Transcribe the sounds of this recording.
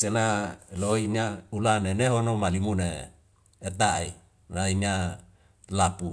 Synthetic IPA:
senaloinaulaneneɦonomalimuneː | t̪ai | nainia | lapu

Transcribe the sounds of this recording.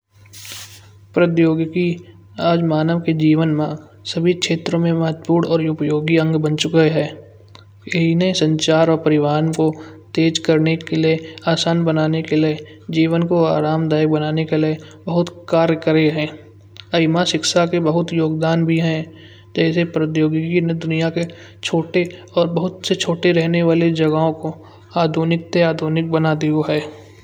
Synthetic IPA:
pɾət̪joːɡki | aːd͡ʒmaːnəʋked͡ʒiːʋənmã | səbʱikʃeːt̪ɾõmẽmɐɦət̪̚puːɽɔːɾʊpəjoːɡiə̃ŋɡbə̃nt͡ʃʊkeɦɛː | enesə̃ɲt͡ʃaːɾɔːɾpɐɾɪʋaːnkot̪eːd͡ʒkəɾnekelieaːsaːnbənaːnekelie | d͡ʒiːʋənkoaːɾaːmd̪aːjək̚bɐnaːnekelie | bɐɦʊt̪kaːɾjəkəɾeɦɛ̃ː | ɐɪmaʃɪkʃakebɐɦʊt̪joːɡd̪aːnbʱiɦɛ̃ | d͡ʒɛːsepɾət̪joːɡɪkined̪ʊnijake | t͡ʃʰoːʈe | ɔːɾbɐɦʊt̪set͡ʃʰoːʈeɾɛɦneʋaːled͡ʒɐɡaõko | aːd̪ʱunɪk̚t̪eaːd̪ʱuːnɪk̚bɐnad̪ioɦɛː

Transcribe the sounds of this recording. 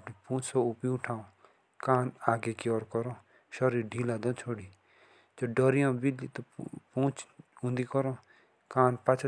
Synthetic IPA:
pnĩpũːt͡ʃsoupĩũʈʰãːõ | kaːnaːɡekjɔːɾkɔɾõː | ʃɔɾiːɾɖʱiːlaːd̪ɔ̃ːt͡ʃʰoːɽiː | d͡ʒoɖɔɾijõːbiliːt̪opũːt͡ʃũnd̪iːkɔɾõː | kaːnpat͡ʃʰ

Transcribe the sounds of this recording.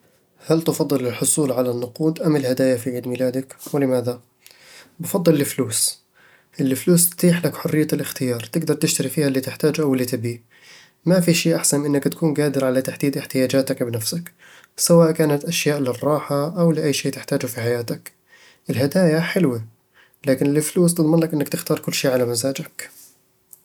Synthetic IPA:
halt̪ɑfɑd̪ˤːɨlɪlħʊsˤuːlʕalanːʊquːd̪ʔamːɪlhad̪aːjafiʕiːd̪miːlaːd̪akwɪlɪmaːða | bɑfɑd̪ˤːɨlːɪfluːs | ʔɪlːɪfluːst̪t̪iːħlakħʊrːɪjːalʔɪxt̪ɪjɑːɾˤt̪ɪɡd̪ɑɾˤt̪ɪʃt̪aɾifiːhalːit̪ɪħt̪aːd͡ʒʔawɪlːit̪ɪbiː | mafiʃiːʔaħsanʔɪnːakt̪ḁkuːnɡaːd̪ɪɾʕalat̪aħd̪iːd̪ʔɪħt̪ɪjaːd͡ʒaːt̪akbɪnafsak | sawaːʔkaːnat̪ʔaʃjaːʔlɪrˤːɑːħaʔawlɪʔajːʃeːt̪ɪħt̪aːd͡ʒʊfiħajaːt̪ak | ʔɪlɦad̪aːjaħɪlwa | laːkɪnɪlɪfluːs̬t̪ɨd̪ˤmɪnlakʔɪnːakt̪ɪxt̪ɑːɾˤkʊlːʃiːʕalamazaːd͡ʒak

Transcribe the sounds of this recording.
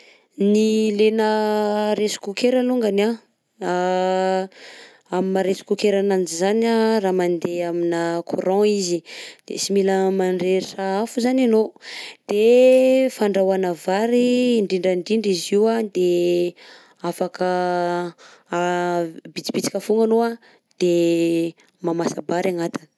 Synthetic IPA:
nilenəɾesu̥kukeɾaluŋɡana | a | amimaɾesi̥kukeɾanand͡ʒizanaraːmand̪eaminəkʰuɾɔ̃izid̪̥ḛsimiləmaɳɖ͡ʐeɾiʈ͡ʂaafuzananod̪̥efaɳɖ͡ʐawanavaɾiːɳɖ͡ʐiɳɖ͡ʐaɳɖ͡ʐiɳɖ͡ʐiziwad̪e | afakə | bit͡si̥pit͡si̥kafuŋanoa | d̪̥e | mamasabaɾaŋat̪ini̥

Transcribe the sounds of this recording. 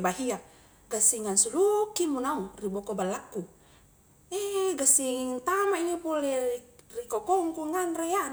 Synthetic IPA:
baɦia | ɡasiŋansulukimunauribɔkobalakːu | eɡasiŋnt̪amainipulɛrikɔkɔŋkuŋanrejan

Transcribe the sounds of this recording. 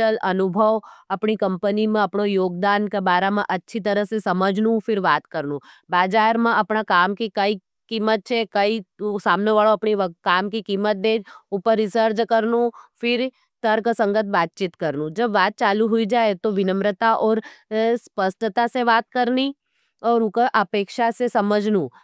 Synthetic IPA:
əlɐnʊbʱəʋɐpɳikɐ̃mpənimẽɐpɳojoːɡ̚d̪aːnkebaːɾamãʔɐtːʃʰit̪əɾəɦsesɐməd͡ʒʱnũfɪɾʋaːt̪kəɾnũ | baːd͡ʒaːɾmãɐpɳakaːmkikəi | kiːmət̪̚t͡ʃʰekəisaːmneʋaːɭoɐpɳikaːmkikiːmət̪̚d̪eːd͡ʒʊpəɾːɪsəɾd͡ʒkɐɾnũfɪɾ | t̪əɾkəsə̃ŋɡət̪̚baːt̪̚t͡ʃit̪kɐɾnũd͡ʒɐbʋaːt̪̚t͡ʃaːluɦʊid͡ʒaːet̪oʋɪnə̃mɾət̪aʔɔːɾspəsʈ̪ət̪aseʋaːt̪kəɾni | ɔːɾʊkʔəpeːkʃasesɐməd͡ʒʱnũ

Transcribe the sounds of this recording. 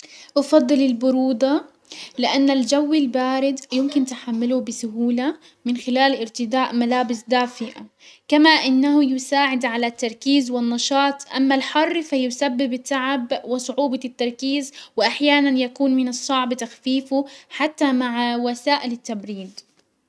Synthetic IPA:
ʔɑfɑd̪ˤːɨlɪlbʊɾuːd̪ˤɑ | lɪʔanːald͡ʒawːɪlbaːɾɪd̪jʊmkɪnt̪ɪħamːɪlubɪsʊhuːla | mɪnxɪlaːlʔɪɾt̪ɪd̪aːʔmalaːbɪsd̪aːfɪʔa̰ | kamaʔɪnːahʊjʊsaːʕɪd̪ʕalat̪ːɑɾˤkiːzwɪnːɑʃɑːt̪ˤʔamːalħɑrˤːfajʊsabːɪbɪt̪ːaʕabwɪsˤʊʕuːbɑt̪ːɑɾˤkiːzwɪʔaħjaːnanjakuːnmɪnɨsˤːɑʕbt̪axfiːfuħat̪ːamaʕwasaːʔɪlɪt̪ːabɾiːd̪

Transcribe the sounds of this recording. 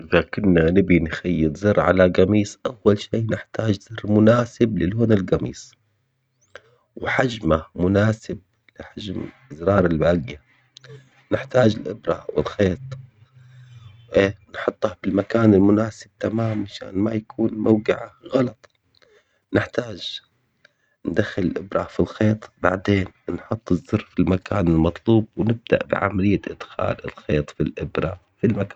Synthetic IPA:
ʔɪðakʊnːanɪbinxajːɪzˤɨɾˤʕalaɡamiːsʔawːalʃiːnɪħt̪aːd͡ʒz̥ɨrːmʊnaːsɪblɪlhoːnɪlɡamḭːs | wħad͡ʒmamʊnaːsɪb̚ | lɪħad͡ʒm | ɪzɾˤɑːɾˤɪlbaːɡja | nɪħt̪aːd͡ʒɪlʔɪbɾˤa̰wɪ̰lxeːt̪ˤ | ʔeːnħʊt̪ˤːɑhbɪlmakaːnɪlmʊnaːsɪb̚t̪amaːmaʃa̰ːnmajakʰuːnmawɡɪʕaɣɑlɑt̪ˤ | nɪħt̪aːʒ | nd̪axːɪlɪlʔɪbɾˤafilxeːt̪ˤbaʕd̪eːnnħʊt̪ˤːɨzːʊɾfilmakʰaːnɪlmɑt̪ˤluːbwnɪb̚d̪a̰ʔbɪ̰ʕa̰malɪjːaʔɪd̪̥xa̰ːlɪ̰lxeːt̪ˤfilʔɪbɾˤa | filmakaː

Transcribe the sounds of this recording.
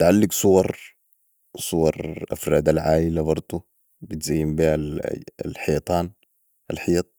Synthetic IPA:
t̪ʕalːiɡsˤuwɑɾˤ | sˤuwɑɾˤʔa̰fɾaːd̪alʕaːilabɑɾˤt̪ˤu | bit̪zajːimbiːal̰lħijt̪ˤɑːn | ʔalħijt̪̚ˤ

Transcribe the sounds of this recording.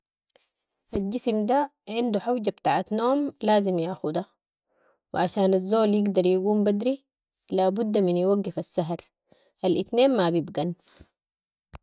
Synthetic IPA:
ʔald͡ʒismd̪aʕɪnd̪uħawɟabt̪aːʕat̪noːmlaːzimjaxud̪a | wḭʕaʃaːnazːoːljɪɡd̪ɑɾˤjaɡuːmbad̪ɾi | laːbud̪ːaminjwaɡːifasːaɦɾ | ʔalʔit̪neːnmabibɡan

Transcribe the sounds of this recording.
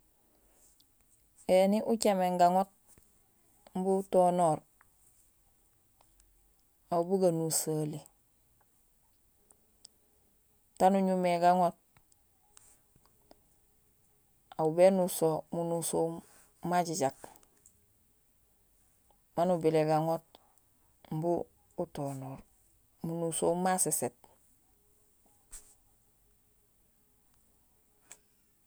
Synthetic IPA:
eniʔut͡ʃameŋɡaŋot̚ | m̩butoːnoːɾ | aubuɡanusaːli | tanuɲumeɡaŋot̚ | aubenusomunuso | maɟiɟak | manubileɡaŋot̚ | m̩buː | tonoːɾ | munusomaseset̚

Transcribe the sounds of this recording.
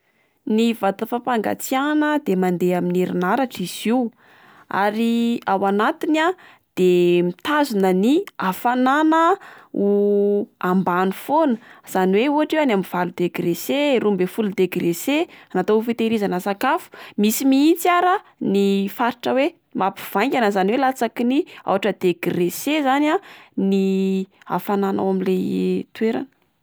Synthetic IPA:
nivat̪əfapaŋɡa̰t͡sianəd̪emand̪eaminiɾinaɾaʈ͡ʂiz̥iu | a̰ɾiawanat̪ina | d̪̥emit̪azunəniafananəu | ambanifonəz̥aniweuaʈ͡ʂewanamiv̥alud̪eɡɾeseɾumbefulud̪eɡɾeseanat̪ofit̪eɾizanəsakafu̥misimiint͡saɾənifaɾiʈ͡ʂəwe | mapi̥v̥aj̃ŋkʲanəzaniwelat͡sakinia̰waʈ͡ʂəd̪̥eɡiresezanani | a̰fanana̰wamilejt̪ueɾa̰nə̥

